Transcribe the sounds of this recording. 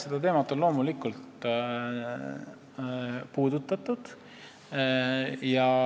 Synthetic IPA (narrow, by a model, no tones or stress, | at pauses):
sed̪̥ɑt̪e̞ːmɑt̪ːˑo̞nlo̞ːmulikult̪ | puːd̪̥ut̪ːˑɑt̪ːˑud̪̥ | jɑ